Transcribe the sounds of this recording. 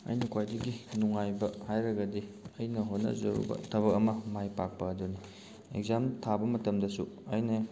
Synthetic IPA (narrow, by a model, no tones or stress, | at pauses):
ɐ̰jnukʰwajdɐɡinuŋajbɐhajɾɐɡɐdiɐjnɐɦonɐ̰zɐ̰ɾṵbɐ̰tʰɐβɐk̚ɐmɐmajpak̚pɐɐduni | ḛɡzamtʰabɐmɐtɐmdɐsuɐjnɐ